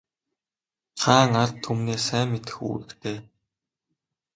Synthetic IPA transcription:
t͡sʰaːŋart̪ʰːumneːsæːmːet̪ɘ̥̆xṵːɾɘ̆kt̪ʰeː

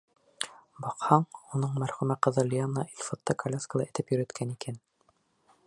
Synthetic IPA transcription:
bɑqhɑɴunɤɴmæɾχʉmæqɤ̆ðɤlʲijɑnnːɑʔilʲfɑt̪ːɑkʰɐlʲaskəlˠɑʔɘ̆t̪ɘpjɵ̆ɾæt̪kʰænikʰæn

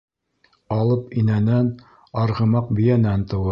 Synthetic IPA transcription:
ɑlˠɤpinænæn | ɑɾʁɤ̆mɑq̚bɵ̆jænænt̪ɤ̆wɤ

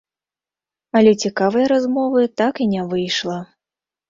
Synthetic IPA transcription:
ɐlʲɛt͡sʲikavɐjɐɾazmɔvɨt̪akinʲɛvɨjʂlˠɐ

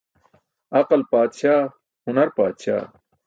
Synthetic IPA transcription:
ɐqɐlpaːd̪ɕaː | hunɐɾpaːd̪ɕa̰ː

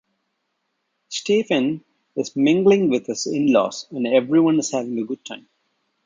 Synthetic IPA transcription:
sʈeːfə̃n | ɪzmɪ̃ŋɡlɪ̃ŋʋɪd̪ɪzɪ̰̃nlɔ̰ːsə̃nɛʋɾiʋʌ̃nɪz̥hæʋɪ̃ŋəɡʊɖ̚ʈʰã̰ɪ̃m

